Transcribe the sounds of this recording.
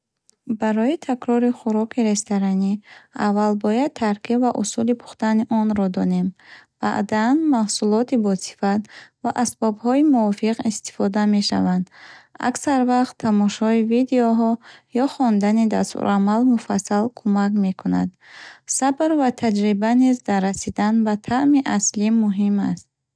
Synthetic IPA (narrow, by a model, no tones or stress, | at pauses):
baɾɔit̪ʰakɾɔɾiχuɾɔkʰiɾe̞st̪aɾaniavːalbɔjad̪̚t̪ʰaɾkʰivaʔṵsulipʰu̥χt̪aniʔɔnɾɔd̪ɔne̞mb̥a̰ʔd̪anmahsulɔt̪ʰibɔsi̥fat̪vaʔasbɔbhɔimuɔfiqist̪i̥fɔd̪ame̞ʃa̰vand̪a̰ksaɾvaχt̪ʰːamɔʃɔivid̪eɔɦɔjɔχɔnd̪anid̪aɾsṵɾʔamalmufasːalkʰumakme̞kʰuna̰d̪sabɾvat̪ʰad͡ʒɾibanizd̪aɾːasid̪anbat̪ʰaʔmiʔaslimːuɦimast̪̚